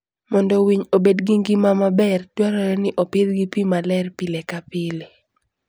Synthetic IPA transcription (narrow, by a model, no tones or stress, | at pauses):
mɔndɔwiɲobedɡiŋɡimamabɛrtwaɾɔɾɛnɪʔopɪd̪ɡipimalɛrpilekapɪle